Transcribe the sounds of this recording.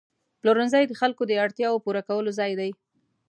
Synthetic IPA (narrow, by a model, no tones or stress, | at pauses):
ploɾʊnzajd̪əxalkod̪əaɽt̪jɑwopuɾakawəlozɑjd̪aj